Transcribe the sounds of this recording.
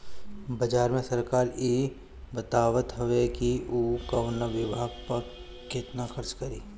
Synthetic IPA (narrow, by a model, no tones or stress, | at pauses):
bɐd͡ʒaːɾmẽsɐɾkaːɾiː | bɐt̪aːʋət̪ɦoʋekiuːkaʊnəʋɪbʱaːɡpɐɾ | kɪt̪naxɐɾt͡ʃkɐɾiː